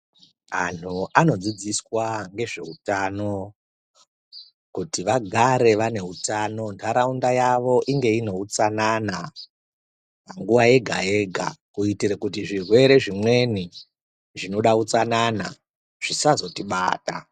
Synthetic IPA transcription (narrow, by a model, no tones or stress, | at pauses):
a̰nʰuano̞d͡zid͡ziswaŋɡe̞ʐe̞utano̞ | kutiʋaɡʱaɾe̞ʋane̞utano̞ndʰaɾaundajaʋo̞ʔiŋɡe̞ino̞ut͡sanana | paŋɡuʋaje̞ɡʱa̰e̞ɡʱa̰kuitirakutiʐirwe̞ɾe̞ʐimwe̞ni | ʐino̞ɗaut͡sanana̰ | ʐ̥isazo̞tiɓa̰ːta